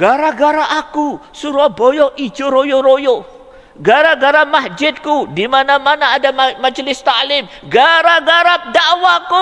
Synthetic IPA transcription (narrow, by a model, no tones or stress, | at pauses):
ɡaɾaɡaɾaʔaku | suɾabojɔʔid͡ʒoɾojoɾojo | ɡaɾaɡaɾamasd͡ʒɪd̪̚kudimanãmanaːdamad͡ʒlɪst̪alɪm | ɡaɾaɡaɾap̚daʔwaku